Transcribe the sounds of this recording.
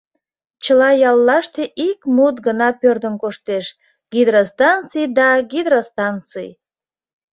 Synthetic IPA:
t͡ɕəlɑjɑlːɑʃt̪eʔikmut̪ɡənɑpørd̪əmkoʃt̪eʃ | ɡ̥id̪ɾost̪ɑnt͡sɨjd̪ɑɡid̪ɾost̪ɑnt͡sɨ̰j

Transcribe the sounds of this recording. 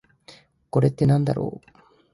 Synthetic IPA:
ko̞ɾe̞t̪ːe̞nãnd̪a̰ɾo̰ː

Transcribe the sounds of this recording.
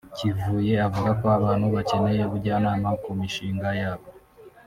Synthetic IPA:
civuːje̞avuɡakoaβaːn̥huβace̞ne̞je̞βuɾɟaːnaːmakumiʃiːŋɡajaːβo

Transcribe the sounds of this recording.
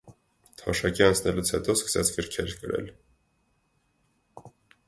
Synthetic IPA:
t̪ʰɔʃɑkiɑnt͡sʰnɛlut͡sʰhɛt̪ɔskə̥sɛt͡sʰɡəɾkʰɛɾkəɾɛ̰l

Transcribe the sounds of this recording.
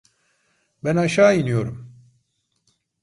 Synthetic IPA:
bænaʃaːinijo̞ɾum

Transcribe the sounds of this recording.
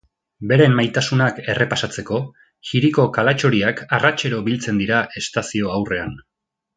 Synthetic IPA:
be̞ɾe̞mmːajt̪asunake̞re̞pasat͡se̞ko̞ | xiɾiko̞kalat͡ʃo̞ɾiakarat͡ʃe̞ɾo̞bilt͡se̞nd̪iɾaʔe̞st̪asio̞awre̞a̰n

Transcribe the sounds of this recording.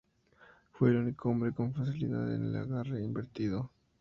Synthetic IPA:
fwelunikoombɾeko̞ɱfasilḭða̰ðḛnḛla̰ɣareimbeɾt̪iðo

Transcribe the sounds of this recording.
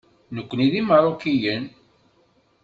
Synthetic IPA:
nəkʷːniðiməɾˤokijən

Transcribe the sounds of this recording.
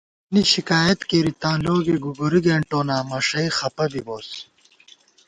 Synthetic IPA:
niɕikaːjɐt̪keɾit̪ãːnloːɡiɡuɡuɾiɡeːɳʈoːnaːmɐʂɐixɐpɐbiboːs

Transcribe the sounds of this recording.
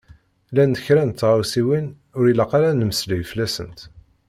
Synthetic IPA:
lænd̪əçɾænt̪ːʁawsiwin | ʊɾilaqaɾænəməslijflæsə̰nt̪

